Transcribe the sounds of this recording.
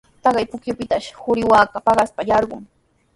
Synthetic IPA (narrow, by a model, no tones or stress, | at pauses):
t̪ɑɢɑjpʊkjʊpɪt̪aʃhʊɾɪwaːkapɑɢɑspajɑɾɢʊŋ